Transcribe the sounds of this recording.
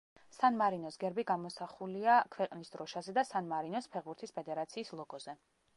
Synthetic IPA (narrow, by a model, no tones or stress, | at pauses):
sanmaɾinɔsɡɛɾbiɡamɔsaχuliakʰwɛqʼnisd̪ɾɔʃazɛd̪asanmaɾinɔspʰɛʁbuɾt̪ʰispʰɛd̪ɛɾat̪sʰiːslˠɔɡɔzɛ